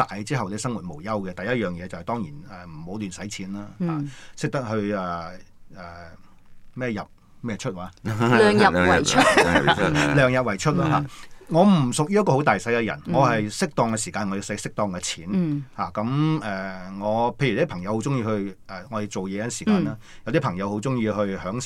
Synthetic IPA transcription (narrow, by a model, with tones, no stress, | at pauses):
t̪aː˨jt͡siː˥ɦɐ˨wne˨˧˥sɐ˥ŋwu˨t̚mo˨˩wjɐ˥wkɛ˧t̪ɐ˨jɐ˥t̚jœː˨˩ŋjɛː˨˧t͡sɐ˨hjt̪ɔː˥ŋjḭː˨˩nɛː˨˩m̩˨˩mo˨˧˥wlyː˨nsɐ˨˥jt͡sʰiː˨˥naː˥haː˨sɪ˥k̚t̪ɐ˥k̚ɦɵ˧ɥɛ˨ɛː˨˩ | mɛː˥˩jɐ˨p̚ | mɛː˥t͡ʃʰɵ˥t̚waː˨˧˦œː˨ŋjɐ˨˥ | lœː˨ŋjɐ˨p̚wɐ˨˩jt͡ʃʰɵ˥t̚laː˥ɦaː˨ŋɔː˨˧m̩˨˩sʊ˨k̚jiː˥ɐ˥kɔː˧ho˨˥wt̪aː˨jsɐ˨˥jkɛ˧jɐ̰˨˩nŋɔː˨˧ɦɐ˨jsɪ˥k̚t̪ɔː˧ŋkɛ˧siː˨˩kaː˧nŋɔː˨˧ji˨˧sɐ˨˥sɪ˥k̚t̪ɔː˧ŋkɛ˧t͡sʰiː˨˥nhaː˨˩kɐ˨˥mɛː˨˩ŋɔː˨˧pʰjy˨˥i˥pʰɐ˨˩ŋjɐ˨˧whwt͡sʊ˥ŋjiː˧hɵ˧ɥɛ˨ŋɔ˨˧j̪e˨˧t͡so˨wjɛ˨˧˥siː˨˩kaː˧naː˥ | jɐ˧wt̪i˥pʰɐ˨˩ŋjɐ˨˧who˨˥wt͡sʊ˥ŋjiː˧hɵ˧ɥhœː˨˥ŋ